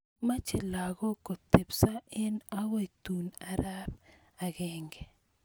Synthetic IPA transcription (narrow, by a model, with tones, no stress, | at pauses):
ma˦t͡ʃɪ˨la˨ɡɔ˦ko˨t̪e˨psa˦ɪ˦nawo˦t̪una˨ɾab | a˨ɡɛŋɡe˨